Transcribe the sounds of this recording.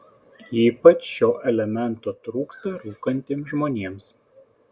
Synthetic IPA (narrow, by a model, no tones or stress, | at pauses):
iːpɐt͡ʃʃʲoːʔɛlʲɛmʲɛnˑt̪oːt̪ɾuːkst̪ɐɾuːkɐnʲt̪ʲeːmʒmoːnʲeːms